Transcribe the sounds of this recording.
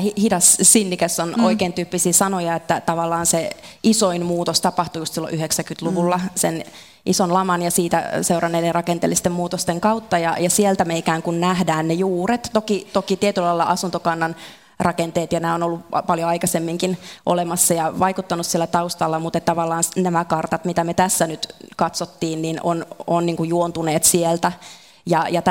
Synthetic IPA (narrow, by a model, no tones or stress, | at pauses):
hihidɑssinːikæsːonoikeːnt̪yːpːisiːsɑnojɑet̪ːæt̪ɑʋɑlːɑːnseʔisoinmuːt̪ost̪ɑpɑht̪ujust̪silːo̰ʔyheksækyt̪luʋulːɑsen | ʔisonlɑmɑnjɑsiːt̪æ̰seurɑnːeiderɑkent̪ḛlːˑist̪emmuːt̪ost̪eŋkɑwt̪ːɑjɑjɑsielt̪æmeikæːŋkunnæhdæːnnejuːret̪t̪okit̪okit̪iet̪ylɑilːɑ̰ʔɑsunt̪okɑnːɑn | rʔɑkent̪eːt̪jɑnæːonolːupɑljoɑikɑsemːiŋkinʔo̰lemɑsːɑjɑʋɑikut̪ːɑnussielːæt̪ɑust̪ɑlːɑmut̪et̪t̪ɑʋɑlːɑːnsnæmækɑrt̪ɑt̪mit̪æmet̪æsːænyt̪kɑt̪sot̪ːiːnnino̰nonniːŋkujuont̪uneːt̪sielt̪æ | jɑjɑt̪